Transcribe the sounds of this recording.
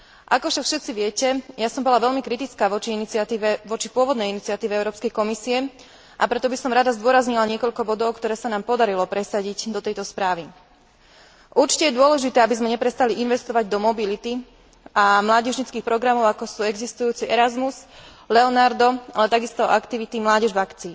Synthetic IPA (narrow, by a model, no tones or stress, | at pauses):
ʔakɔfʃakfʃɛt̪t͡siʋɪɛcɛjasɔmbɔlaʋɛʎmikɾit̪it͡skaːʋɔt͡ʃiinit͡siat̪iʋɛʋɔt͡ʃipʊɔʋɔd̪nɛjinit͡siat̪iːʋɛɛʊɾɔːpskɛjkɔmisiɛ | ʔapɾɛt̪ɔbisɔmɾad̪azd̪ʊɔɾazɲilaɲɪɛkɔʎkɔbɔd̪ɔʊkt̪ɔɾɛːsanaːmpɔd̪aɾilɔpɾɛsaɟiɟd̪ɔt̪ɛjt̪ɔspɾaːʋi | ʔuɾt͡ʃi̥cɛjɛd̪ʊɔlɛʒit̪ɛːabizmɛɲɛpɾɛst̪aliʔinʋɛst̪ɔʋaɟd̪ɔmɔbilit̪i | ʔamlaːɟɛʒɲit͡skiːxpɾɔɡɾamɔʊakɔsuːɛɡzist̪ujuːt͡siʔɛɾazmuz | lɛɔnaɾd̪ɔʔalɛt̪aɡist̪ɔʔakt̪iʋit̪imlaːɟɛʒʋakt͡siːn